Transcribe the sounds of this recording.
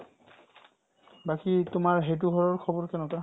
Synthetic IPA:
bakitʊmaɹɦet̬uɡʱɔɹɔɹkʰɔbɔɹkɛnɔta

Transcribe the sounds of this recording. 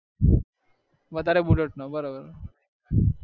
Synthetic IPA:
ʋət̪aɾebuɖəʈnɔbəɾobəɾ

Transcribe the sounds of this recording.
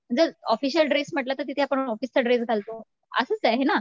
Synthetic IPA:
m̤əɳd͡zəɾɔfiɕəlɖɾesm̤əʈlat̪əɾt̪it̪ʰeapəɳɔfist͡səɖɾesɡʱalt̪o | ə̰səːt͡saɦena

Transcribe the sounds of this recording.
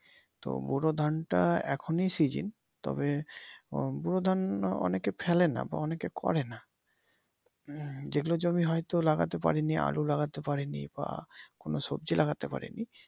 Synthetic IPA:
t̪o̰buɾod̪ʱanʈaɛkʰonijsid͡ʑḭn | t̪ɔ̰be | buɾod̪ʱanɔ̰nekefʰɛlena̰ba̰ɔnekekʰɔ̰ɾena | d͡ʑeɡulod͡ʑomiɦɔjt̪olaɡat̪epaɾinia̰lulaɡat̪epaɾeniba̰konoʃob̚d͡ʑilʔaɡat̪epaɾḭni

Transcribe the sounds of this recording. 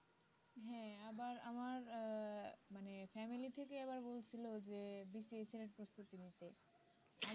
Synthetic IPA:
ɦɛ̃abaɾamaɾ | manefɛmilit̪ʰekeɛβaɾbolt͡ɕʰilod͡ʑebisieseɾeɾpɾost̪ut̪init̪e

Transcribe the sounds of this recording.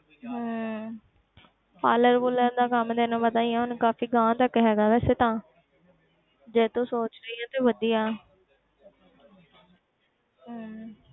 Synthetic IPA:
ɦãː | paːləɾbuləɾd̪aːkəmd̪eːnõːpət̪aːiãːʊnkaːfiːɡãːt̪əkːɦɛːɡaːʋɛːseːt̪ãː | d͡ʒeːt̪õːsoːt͡ʃɾəiːãːt̪eːʋəd̪ijaː | ɦəː

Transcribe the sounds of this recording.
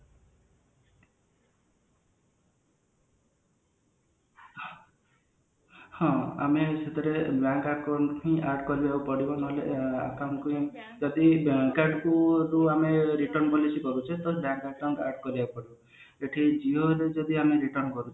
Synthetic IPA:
hɔ̃a̰meset̪ʰɔɾebaŋkaʈkaɳʈĩaɾɖkɔɾibakupɔɽibɔnɦolea̰kawɳkuĩd͡ʒɔd̪ikaɾɖkuɾuameɾiʈɔɾnpɔlisikɔɾut͡ʃʰet̪ɔbaŋkakawɳʈaɾɖkɔɾibapɔɽibɔ | d͡ʒeʈʰid͡ʒioɦled͡ʒɔd̪iameɾiʈɔɾnkɔɾut͡ʃʰ

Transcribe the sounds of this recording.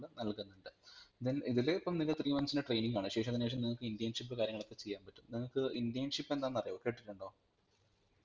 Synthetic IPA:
ɭnɐlkunːuɳɖɨðiniðileipːɐmnilɐt̪riːmɐnsineʈrejniŋɡaːɳɨɕe̞ːʂɐmɐðineːʂ̬ɐmniŋːɐɭkːɨindijɐnʂipːɨkaːɾjɐŋːɐɭopːet͡ɕe̞jːaːnpɐtːumniŋːɐkːɨindijɐnʂipːe̞nd̪aːnːɐrɐjokːeʈːiʈːuɳɖo̞ː

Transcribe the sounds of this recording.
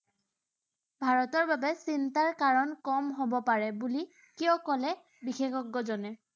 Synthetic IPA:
bʱaɹɔtɔɹbabɛsintaɹkaɹɔnkɔmɦobɔpaɹɛbuli | kiɔkɔlɛ | bixexɔɡːɔzɔnɛ

